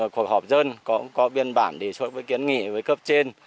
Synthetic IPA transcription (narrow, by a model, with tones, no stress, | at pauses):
kwək̚hɔ˨˩p̚zəː˧nkɔ˨˦kɔ˨˦ɓi˧ənɓaː˧˩nɗe˧˩su˦˥t̚vəː˨˦jki˨˦ənŋḭ˧˨vəː˨˦jkəː˦˥p̚t͡ɕe˧n